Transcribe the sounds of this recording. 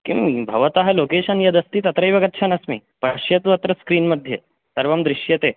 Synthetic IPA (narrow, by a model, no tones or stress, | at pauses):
kĩbʱɐʋɐt̪ɐɦɐlokeʃɐnjɐd̪ɐst̪iːt̪ɐt̪ɾɐjʋɐɡɐt̪ːt͡ʃʰɐnɐsmḭ | pɐʂjɐt̪uʋɐt̪ɾɐskɾiːnmɐd̪ʱːje | sɐɾʋɐmd̪ɾiʃjɐt̪eː